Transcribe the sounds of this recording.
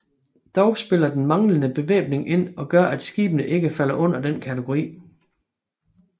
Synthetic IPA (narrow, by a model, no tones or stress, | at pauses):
d̥ɒʊsb̥e̝l̰ɐd̥enmɑ̈ŋlənəb̥e̝ʋḛːb̥ne̝ŋʔe̝n̰ɒ̽ɡ̥ɶɐʔæd̥sɡ̥ḭːb̥ənəʔe̝ɡ̥əfæl̰ɐʔɔ̽n̰ɐd̥enkʰæt͡sʰəɡ̥o̝ʁḭː